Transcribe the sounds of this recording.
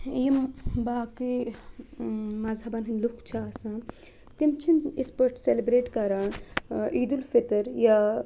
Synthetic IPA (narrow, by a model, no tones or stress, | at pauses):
jimbaːki | mazʱabanɦinlukt͡ʃʰiaːsãː | t̪imt͡ʃʰinit̪ʰpəʈʰselibɾeːʈkaɾaːnʔiːd̪ulfit̪əɾja